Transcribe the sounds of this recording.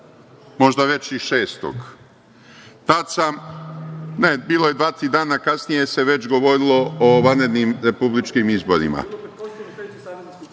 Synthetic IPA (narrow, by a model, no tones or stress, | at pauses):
mo̞ʒd̪aʋe̞t͡ɕiʃe̞ːst̪o̰ɡ | t̪at̪sam | nebiːlˠoje̞d̪ʋaːt̪ɾiːd̪aːnakasnije̞se̞ʋe̞t͡ʃɡo̞ʋo̞ɾilˠo̞oʋanɾe̞d̪nimɾe̞publit͡ʃkimizbo̞ɾḭma̰